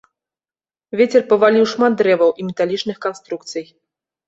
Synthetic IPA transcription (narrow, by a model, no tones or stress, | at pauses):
vʲet͡sʲɛrpɐvalʲiwʂmad̪̚d̪ɾɛvɐwʔimʲɛt̪alʲit͡ʂnɨxkanst̪ɾukt̪sɨj